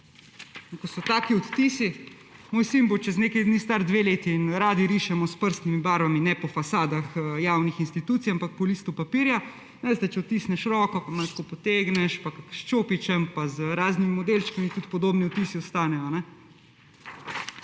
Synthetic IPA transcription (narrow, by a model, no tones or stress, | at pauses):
kɔsɔt̪aːkiɔt̪t̪iːsi | moːjsimbot͡ʃɛzneːkɛjd̪nist̪aɾd̪ʋeleːt̪iːnɾaːd̪iɾiʃɛmɔspəɾst̪nimibaːɾbaminɛpɔfasaːd̪axjawnixinst̪it̪uːt̪sijampak̚pɔliːst̪upapiːɾja | nɛʋeːst̪ɛt͡ʃɛɔt̪t̪ːiːsnɛʃɾɔkɔpamalskopɔt̪eːɡnɛʃpakakʃt͡ʃoːpit͡ʃɛmpazɾaːznimimɔd̪eːlt͡ʃkamit̪ut̪pɔd̪oːbniɔt̪isiɔst̪aːnɛjɔnɛ